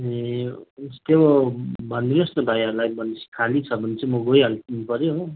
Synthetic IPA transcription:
ɦe | t̪ebobʱʌnd̪inʌst̪obʱajʌɾulajbʌnsi̥kʰalit͡sʰʌbʱʌnet͡sʌmʌɡojɦalkinupʌɾjoɦo

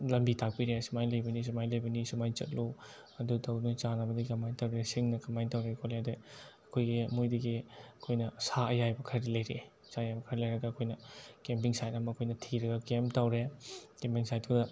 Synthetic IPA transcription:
lɐmbitʰak̚piɾesumajlɐjbɐnis̬umajlɐjbɐnisumajt͡ʃɐ̰t̚lo | ɐdutɐwnut͡ʃanabɐdikɐmajntawɾesiŋnɐkɐmajntawɾekʰoleadeɐkʰojɡiɐmojdiɡiɐkʰojnɐsaɐjajbɐkʰɐɾilɐjɾe | sajajbɐkʰɐɾilɐjɾɐɡɐːkʰojnɐkempiŋsajtamɐɐkʰojnɐtʰiɾɐɡɐkemtawɾekempiŋsajt̚ʰodɐ

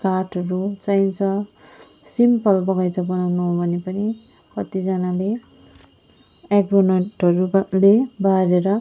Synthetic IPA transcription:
karʈʰʌɾut͡sajnt͡sʰʌ | simpʌlbʌɡʌjt͡sʰʌbʌnawnʌɦbʱʌnepʌni | kʌt̪id͡zʌnale | ekbonʌʈʌɾulebaɾeɾʌ

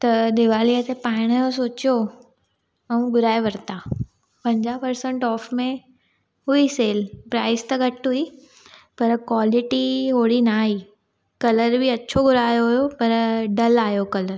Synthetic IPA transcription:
t̪ɐd̪ɪʋaːliət̪epaːɪɽ̃jos̬oːt͡ɕjo | ɐũɡʱʊɾaːeʋɐɾt̪a | pɐ̃ɲd͡ʑaːpɐɾsə̃ɳʈɔːfmẽ | ɦʊiseːlpɾaːɪst̪ɐɡɐʈɦʊi | pɐɾkwaːlɪʈiɦoːɽinaːɦiː | kɐləɾbʱɪɐtːɕʰoɡʊɾaːjoɦʊjopɐɾɖɐlaːjokɐləɾ

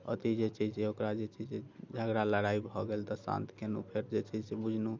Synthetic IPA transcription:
ə̰t̪id͡ʒet͡ʃiseokɾad͡ʒet͡ʃid͡ʒed͡ʒʱaɡɾaləɽaibʱɔɡelt̪ɔsã̰nt̪kenupʰeɾd͡ʒet͡ʃid͡ʒsebud͡ʒʱnu

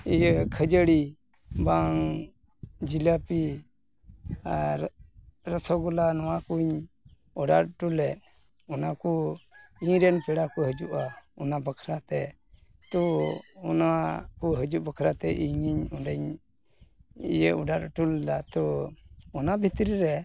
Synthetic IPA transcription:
ijəkʰəd͡ʒəɽi | baŋ | d͡ʒiləpi | ɾəsʰɔɡɔlanɔwakuɲ | ɔɖaɾ̚ʈulɛt̚ | ɔnakuiɲɾɛnpɛɽakuɦəd͡ʒuʔaɔnabəkʰɾat̪ɛ | t̪ɔɔnakuɦəd͡ʒuʔbəkʰɾat̪ɛʔiɲiɲɔɖəɲ | ḭjəɔɖaɾʈuld̪at̪ɔ | ɔnabʱit̪ɾiɾɛ

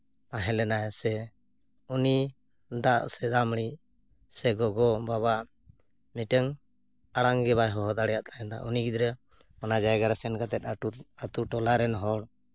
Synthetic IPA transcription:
maɦɛlɛnajsɛ | uni | d̪aʔsɛɾamɽi | sɛɡɔɡɔbaβaʔ | miʈəŋ | aɽaŋɡɛβajɦɔɦɔd̪aɽɛjaʔt̪ʰajɛnd̪a̰ʔuniɡid̪ɾɛ | ɔnad͡ʒajɡaɾasɛnɡat̪ɛt̪̚at̪uʈɔlaɾɛnɦɔɽ

